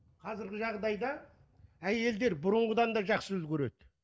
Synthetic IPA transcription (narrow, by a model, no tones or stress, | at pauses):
qʰɑzɪɾɡʲɪʒɑʁd̪ɑjd̪ɑ | æje̞ld̪e̞ɾbʊɾʊɴʁəd̪ɑnd̪ɑʒɑqsəʏlkʲʰɵɾe̞d̪ɪ